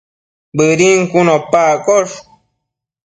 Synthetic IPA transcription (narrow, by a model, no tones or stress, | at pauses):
bɨɾiŋkunopakoʂ